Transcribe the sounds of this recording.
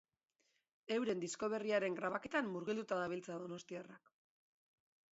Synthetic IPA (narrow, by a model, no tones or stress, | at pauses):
e̞wɾe̞nd̪isko̞β̞e̞riaɾe̞ŋɡɾaβake̞t̪amːuɾɣild̪ut̪aðaβ̞ilt͡saðo̞no̞st̪iarak